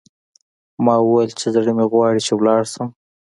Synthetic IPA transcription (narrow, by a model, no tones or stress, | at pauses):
mɑwəwajəlt͡ʃezɽəmeɣwɑɽit͡ʃewlɑɽsəm